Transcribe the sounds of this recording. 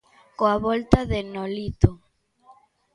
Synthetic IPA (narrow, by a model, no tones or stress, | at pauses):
koaβɔlt̪aðenolit̪o